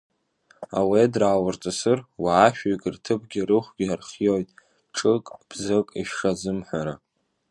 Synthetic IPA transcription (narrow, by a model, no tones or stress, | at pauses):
a̰wedraːwart͡sʼɨsɨrwaːʃᶣikʼirtʰɨp̚ʰʼɡʲiɾɨχʷɡʲiarχʲijojtʼ | ʈ͡ʂʼɨkʼb̥zɨkʼiʃʂazɨmħʷaɾa